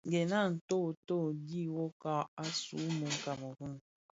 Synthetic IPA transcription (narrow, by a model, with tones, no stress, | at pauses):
ɡe˨na˦˨n̩˨to˦˨to˦˨di˦wo˦ka˦a˦sṵ˨˦me˨ŋ̩˦ka˨mo˨ku˦n˨